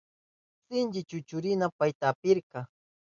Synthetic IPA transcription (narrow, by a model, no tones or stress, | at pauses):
sɪnt͡ʃɪt͡ʃʊt͡ʃʊɾɪnapajt̪aːpɪɾqɑ